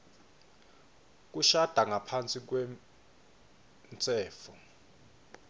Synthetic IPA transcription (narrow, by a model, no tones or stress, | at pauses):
k̬ʼuʃad̥ʱaŋʱapʰant͡sʼik̬wɛ | nt͡sʼɛːfɔ